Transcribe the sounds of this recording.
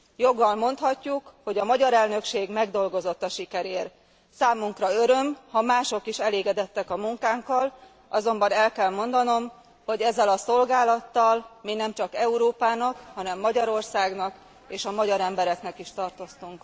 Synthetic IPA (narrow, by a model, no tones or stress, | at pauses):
jo̞ɡːɒlmo̞nt̪hɒcːukho̞ɟɒmɒɟɒɾɛlnø̞kʃeːɡmɛɡd̪o̞lɡo̞zo̞t̪ːɒʃikɛɾeːr | saːmuŋkrɒø̞ɾø̞mhɒmaːʃo̞kiʃɛleːɡɛd̪ɛt̪ːɛkɒmuŋkaːŋkɒl | ʔɒzo̞mbɒnɛlkɛlmo̞nd̪ɒno̞m | ho̞ɟɛzːɛlɒso̞lɡaːlɒt̪ːɒlmiːnɛmt͡ʃɒkɛuɾoːpaːnɒkhɒnɛmːɒɟɒɾo̞rsaːɡnɒk | eːʃɒmɒɟɒɾɛmbɛɾɛknɛkiʃt̪ɒrt̪o̞st̪uŋk